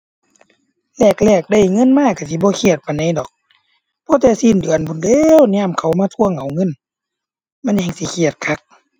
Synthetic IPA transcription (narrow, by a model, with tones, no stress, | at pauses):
lɛː˧˩k̚lɛː˧˩k̚da˧˩jŋɤ˧˥˨nmaː˧˨ka˧˩si˧˦bɔː˧˦kʰi˧˩ət̪̚pa˨jna˧˨jdɔː˨˩k̚ | pʰɔː˧˦t̪ɛː˧siː˧˥˨ndɯ˨ənbu˧˨ndeː˧˨wɲaː˧˥˨mkʰa˨˩wmaː˧˥˧t̪ʰu˧˨ə˨ŋʔa˨˩wŋɤ˧˥˨n | ma˧˥˨nɲa˧ŋsi˧˦kʰi˧˩ət̪̚kʰa˧˦k̚